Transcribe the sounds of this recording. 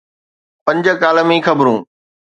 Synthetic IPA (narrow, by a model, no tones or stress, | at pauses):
pɐ̃ɲd͡ʑəkaːləmẽːxɐbɾũː